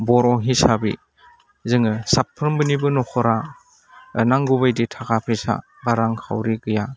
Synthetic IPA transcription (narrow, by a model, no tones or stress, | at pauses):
bɔɾɔɦisabḭ | zɯŋɯsapʰːɯɾmbɯnibɯnɔkʰɔɾa | naŋɡubajditʰakʰapʰisa̰ | ɡaɾaŋkʰa̰wɾiɡɯja